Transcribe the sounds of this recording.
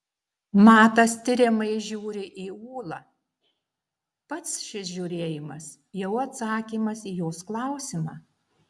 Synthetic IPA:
mɑːt̪ɐst̪ʲɪɾʲɪmɐɪʒʲuːɾʲɪʔiːuːlˠɑː | pɐt̪sʃʲɪsʒʲuːɾʲeːjɪmɐs | jɛʊɐt̪sɑːkʲiːmɐsiːjoːsklˠɑˑʊsʲɪmɑː

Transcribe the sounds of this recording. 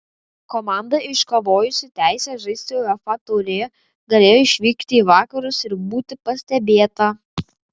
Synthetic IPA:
komɑˑnd̪ɐɪʃkoʋoːjʊsʲɪt̪ʲæˑɪsʲɛʒɐɪsʲt̪ʲejɐfɑt̪oːlʲejɛ | ɡɐlʲeːjoːɪʃʲʋʲiːkt̪ʲɪiːʋɑːkɐɾʊsɪɾbuːt̪ʲɪpɐsʲt̪ʲɛbʲeːt̪ɐ

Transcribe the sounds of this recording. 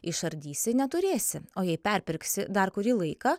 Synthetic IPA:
ɪʃɐɾʲd̪ʲiːsʲɪnʲɛt̪ʊɾʲeːsʲɪoːjɛɪpʲɛɾʲpʲɪɾʲksʲɪd̪ɐɾkʊɾʲiːlˠɐɪkɐ

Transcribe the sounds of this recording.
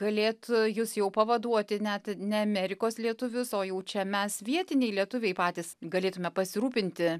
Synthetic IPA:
ɡ̥ɐlʲeːt̪jʊsjɛʊpɐʋɐd̪uɔt̪ʲɪnʲɛt̪nʲɛɐmʲɛɾʲɪkoːslʲiɛt̪ʊʋʲʊsoːjɛʊt͡ʃʲɛmʲɛsʋʲiɛt̪ʲɪnʲɛɪlʲiɛt̪ʊʋʲɛɪpɑːt̪ʲiːsɡɐlʲeːt̪ʊmʲɛpɐsʲɪɾuːpʲɪnʲt̪ʲɪ

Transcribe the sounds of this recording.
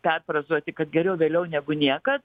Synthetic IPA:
pʲɛrprɐzuɔt̪ʲɪkɐt̪̚ɡʲɛɾʲɛʊʋʲeːlʲɛʊnʲæːɡʊnʲiɛkɐt̪

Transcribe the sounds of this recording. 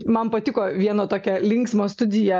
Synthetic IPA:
mɐnpɐt̪ʲɪkoːʋʲiɛnoːt̪oːkʲɛlʲɪŋksmoːst̪ʊd̪ʲɪjɛ

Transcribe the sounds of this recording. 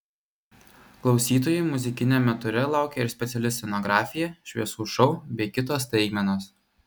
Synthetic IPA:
klˠɒʊsʲiːt̪oːjumʊzʲɪkʲɪnʲɛmʲɛt̪ʊɾʲɛlˠɑˑʊkʲɛɪɾsʲpʲɛt̪sʲɛlʲɪsʲɛnɔɡɾɑːfʲɪjɛʃʲʋʲiɛsuːʃɔʊbʲɛɪkʲɪt̪oːst̪ɐɪkmʲɛnoːs

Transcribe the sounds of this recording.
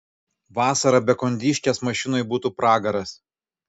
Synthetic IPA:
ʋɑːsɐɾɐbʲɛkɔnʲd̪ʲiːʃʲkʲeːsmɐʃʲɪnoɪbuːt̪uːpɾɑːɡɐɾɐs

